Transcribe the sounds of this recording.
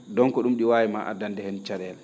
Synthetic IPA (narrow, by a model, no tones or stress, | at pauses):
dɔŋkɔɗumɗiwaːwimaʔa̰dandɛhɛnt͡ʃaɗɛl